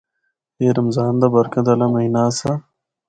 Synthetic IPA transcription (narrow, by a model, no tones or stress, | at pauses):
eːɾɐmzaːnd̪abɐɾkɐd̪ɐlɐmɐinaːsa